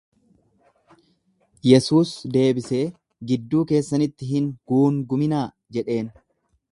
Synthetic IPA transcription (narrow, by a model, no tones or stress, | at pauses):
jɛsuːsd̪e̞ːbɪse̞ː | ɡɪd̪ːuːke̞ːsːɐnɪt̪ːɪɦɪŋɡ̥uːŋɡʊmɪnaː | d͡ʒɛᶑe̞ːn